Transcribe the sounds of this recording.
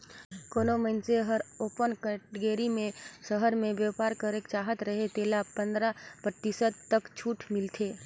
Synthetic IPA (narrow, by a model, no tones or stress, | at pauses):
koːnoməɪnseɦəɾoːpənkəʈɡeːɾimẽʃəɦəɾmẽʋjeːpaːɾkəɾekt͡ʃaːɦət̪ɾəɦet̪eːlapə̃nd̪ɾapɾət̪ɪsəd̪t̪ːəkt͡ʃʰuːʈʰmɪlt̪ʰeː